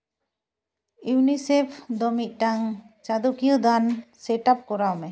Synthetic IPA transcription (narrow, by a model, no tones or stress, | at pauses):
uunisepʰd̪ɔmit̪̚ˀʈaŋ | t͡ʃad̪ukijəd̪ansɛʈap̚kɔɾawmɛ